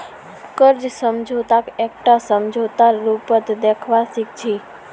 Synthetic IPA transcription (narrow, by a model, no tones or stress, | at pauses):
kəɾd͡ʒsəmd͡ʒʱot̪akekʈasəmd͡ʒʱot̪aɾupət̪d̪ekʰʋasik̚t͡ʃʰi